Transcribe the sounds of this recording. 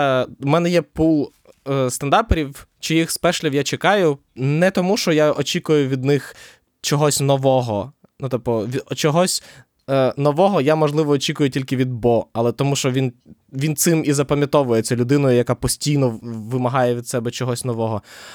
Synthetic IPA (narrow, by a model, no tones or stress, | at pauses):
mɛnɛjɛpulˠ | st̪ɐnd̪ɑrpɔɾʲiwt͡ʃijixspɛʃlʲɪwjat͡ʃekɑjʊ | nɛt̪ɔmuʃt͡ʃɔjaʔɔt͡ʃʲikʊjʊʋʲid̪nɪx | t͡ʃɔɦɔsʲnɔʋɔɦɔ | nut̪ɔp̚pɔʋʲit͡ʃɔɦɔsʲ | nɔʋɔɦɔjamɔʒlˠɪʋɔːt͡ʃʲikʊjʊtʲilʲkɪʋʲid̪̚bɔɐlˠɛt̪ɔmuʃt͡ʃɔʋʲinʋʲint̪sɪmizɐpɐmʲjɐt̪ɔʋʊjet͡sʲɐlʲʊd̪ɪnɔjʊjɐkapɔsʲtʲijnɔʋɪmɐɦɑjɛʋʲid̪sɛbɛt͡ʃɔɦɔsʲnɔʋɔɦɔ